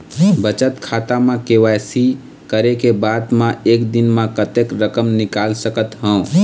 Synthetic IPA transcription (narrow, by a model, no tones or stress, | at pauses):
bət͡ʃət̪kʰat̪amãkewasi | kəɾekebad̪mãekd̪inmãkət̪ekɾəkəmnikalsəkət̪ɦə̃ː